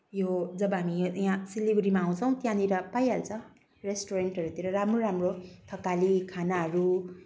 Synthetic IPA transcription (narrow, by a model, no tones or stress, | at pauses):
jod͡zʌbʌɦamiãsilibɾimaːw̃t͡sʰʌw̃t̪jãniɾʌpajalt͡sʰʌ | resʈoɾeɳʈɦʌɾut̪iɾʌɾamroɾamrot̪ʰʌkalikʰanaɦʌɾu